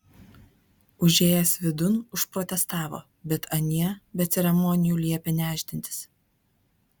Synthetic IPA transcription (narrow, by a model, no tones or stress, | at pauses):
ʊʒʲeːjɛsʋʲɪd̪ʊnʊʃpɾɔt̪ʲɛst̪ɑːʋo̰ː | bʲɛt̪ɐnʲiɛbʲɛt̪sʲɛɾʲɛmɔːnʲɪjuːlʲiɛpʲɛnʲæːʒʲd̪ʲɪnʲt̪ʲɪ̥s